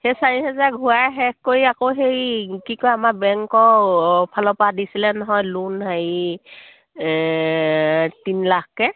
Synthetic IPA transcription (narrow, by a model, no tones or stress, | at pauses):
hesaɹiɦɛzaɹɡʱʊaɦɛkkːoiakoɦejkikojamaɹbɛŋkɔpʰalɔpadisilɛnɔɦɔjlunɦaji | tinlakkɛ